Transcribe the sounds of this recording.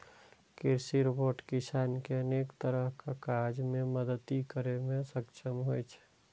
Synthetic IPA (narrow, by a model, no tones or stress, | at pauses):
kɪɾsiɾboːʈkɪsaːnkeənekt̪əɾəɦkakad͡ʒmẽməd̪ət̪ikəɾemẽsəkt͡ʃʰəmɦojt͡ʃʰɛ̥